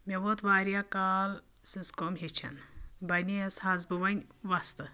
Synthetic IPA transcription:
mʲeʋot̪ʋaːɾijakaːl | siskomɦet͡ʃʰɐ̰nbɐnʲiɐshɐzbɨʋɐnʲʋɐst̪ɨ

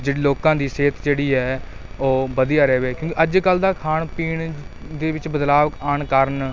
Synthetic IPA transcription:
d͡ʒeːɽiːloːkãːd̪iːseːt̪d͡ʒeːɽiːɦɛːoːbəd̪ijaːɾɛːʋeːkjõːkiʔəd͡ʒkəld̪aːkʰaːɳpiːɳd̪eːʋɪt͡ʃbəd̪laːʋaːɳkəɾn

